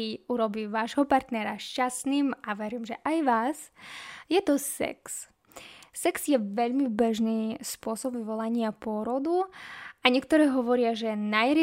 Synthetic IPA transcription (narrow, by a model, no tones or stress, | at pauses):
iuɾɔbiːʋaːʒɦɔpaɾt̪nɛɾaʃcasniːmaʋɛɾiːmʒɛʔajʋaːzjɛt̪ɔsɛ̰ks | sɛkz̥jɛʋɛʎmibɛʒniːspʊɔsɔbʋiʋɔlaɲɪapʊɔɾɔd̪uaɲɪɛkt̪ɔɾɛːɦɔʋɔɾɪaʒɛnajɾi